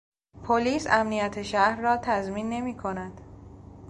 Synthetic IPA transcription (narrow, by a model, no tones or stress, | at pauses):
pʰoliːsæmnijæt̪ʰeʃæɾrɒːt̪ʰæzmiːnːe̞miːkʰo̞næd̪̥